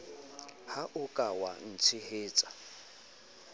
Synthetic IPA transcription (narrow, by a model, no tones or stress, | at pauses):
haʔʊkʼawa̰n̩t͡sʰɪheːt͡sʼḁ